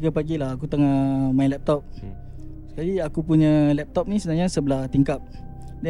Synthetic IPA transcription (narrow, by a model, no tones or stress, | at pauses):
ɡapaɡilaakut̪əŋamaĩlɛp̚t̪ɔp̚ | sə̥kaliakupuɲəlɛp̚t̪ɔp̚nĩsəbənaɲasəbəlaht̪iŋkap̚ | dɛ